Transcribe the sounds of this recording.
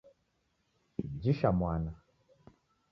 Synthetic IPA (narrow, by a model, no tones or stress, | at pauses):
d͡ʒiʃamwana